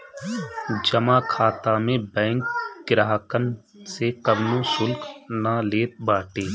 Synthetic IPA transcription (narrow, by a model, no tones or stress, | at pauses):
d͡ʒəmaːkʰaːt̪amẽbɛ̃ːŋkɡɪɾaːɦkən | sekəbnõsʊlknaleːt̪̚baːʈeː